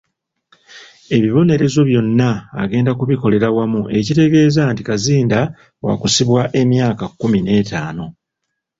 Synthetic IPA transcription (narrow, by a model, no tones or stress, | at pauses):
e̞βiβo̞ne̞ɾe̞zo̞βjo̞nːa̰ːɡe̞ːndakuβiko̞le̞ɾawamuʔe̞cite̞ɡe̞ːzantikaziːnda | wa̰kusiβwaʔe̞mjaːkakːumine̞ːtaːno̞